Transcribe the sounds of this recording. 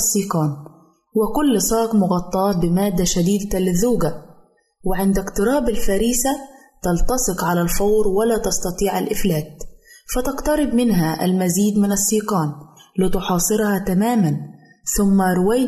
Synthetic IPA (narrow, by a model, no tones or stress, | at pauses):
sˤːiːqɑːn | wɪkʊlːsˤɑːqmʊɣɑt̪ˤːɑːbɪmaːd̪ːaʃad̪iːd̪lɪðːuːɡa | wɪʕɪnd̪ɪkt̪ɨɾˤɑːbɪlfaɾiːsa | t̪ɑlt̪ɑsˤɨqʕalalfɑwɾwɪlaːt̪ɑst̪ɑt̪ˤiːʕalʔɪflaːt̪̚fat̪ɑqt̪ɑɾɪb̚mɪnɦaʔa̰lmaziːd̪mɪnɑsːiːqɑːnlɪt̪ʊħɑːsˤɨɾhɑt̪amaːman | θʊmːaɾʊwaj